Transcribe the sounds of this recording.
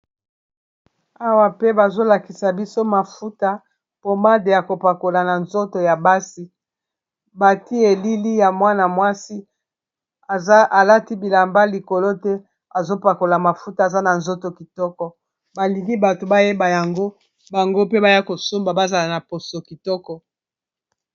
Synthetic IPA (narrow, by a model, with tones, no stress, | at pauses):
a˦wa˨pe˦ba˨zo˦la˨ki˨sa˨bi˦so˦ma˨fu˦ta˦ | po˦ma˦de˨ja˨ko˨pa˨ko˨la˨na˨nzo˦to˨ja˨ba˦si˦ | ba˨ti˦e˨li˦li˦ja˨mwa˦na˨mwa˦si˦˨˦ | a˨la˦ti˦bi˨la˨mba˦li˨ko˨lo˦tɛ˦ | a˨zo˦pa˨ko˨la˨ma˨fu˦ta˨za˦na˨nzo˦to˨ki˨tɔ˦kɔ˨ | ba˨li˨ɡi˦ba˨to˨ba˦je˦ba˨ja˨ŋɡo˦ | ba˨ŋɡo˦pe˦ba˦ja˦ko˨so˦mba˨ba˦za˨la˨na˨po˨so˨ki˨tɔ˦kɔ˨